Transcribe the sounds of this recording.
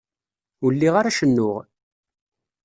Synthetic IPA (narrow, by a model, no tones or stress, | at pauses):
ulːiʁaɾaʃənːʊʁ